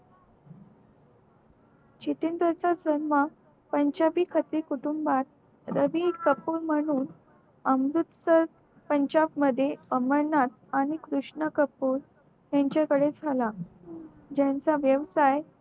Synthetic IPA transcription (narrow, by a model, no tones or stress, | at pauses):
t͡ɕit̪ind̪ɾət͡sasənʋa | pəɲd͡ʑabiːkʰət̪iːkuʈumbat̪̚ | ɾəʋikəpuːɾm̤əɽ̃uːn | əmɾut̪səɾ | pəɲd͡ʑabməd̪ʱjeəməɾɳat̪̚aɽ̃ikɾuʂɳəkəpuːɾ | ɦjãɲt͡ɕakəɽed͡zʱala | d͡ʑãnt͡saʋjəʋsaj